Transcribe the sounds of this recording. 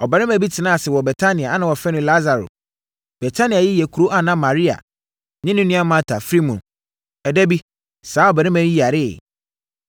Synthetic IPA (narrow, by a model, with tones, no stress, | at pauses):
ɔ˨ba˨ɾɪ̃˦mæ̃˨bi˦tʰɪ˨nã˦a˨sɪ˨wɔ˨bɛ˨tʰa˦nɪ̃˨a˨a˦nã˨wɔ˨fɛ˦nʊ̃˦la˦za˨ɾo̰˨ | b̥ɛ˨tʰa˦nɪ̃˨a˨jɪ˦jɛ˨kʰu˨ɾo˦ʔa˨nã˦mã˨ɾi˦a̰˨ | nɪ̃˦nʊ̃˦nũ˦ã˦mã˦tʰa˨fɾi˦mũ˨n | ɛ˨dɛ˦bi˦ | saː˨˦ɔ˨ba˨ɾɪ̃˦mæ̃˨˦i˦˨a˨ɾɪ˦˨